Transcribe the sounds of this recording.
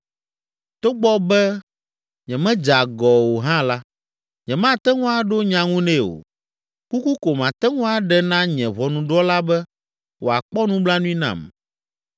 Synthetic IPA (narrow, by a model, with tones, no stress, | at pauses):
t̪o˦ɡ͡bɔ˦bɛ˦ | ɲɛ̃˨mɛ̃˦d͡ʒa˨ɡɔ˨wo˨ɦã˦la˦ | ɲɛ̃˨mã˦t̪ɛ˦ŋũ˦a˨ɖo˦ɲã˨ŋũ˦nɛ̃˦˨o̰˨ | ku˦ku˦ko˨mã˨t̪ɛ˦ŋũ˦a˨ɖɛ˦nã˦ɲɛ̃˨βɔ˨nũ˨ɖɔ˦la˦bɛ˦ | wʔo˨a˨k͡pɔ˦nũ˦bla˦nũ˦i˦nã̰˨m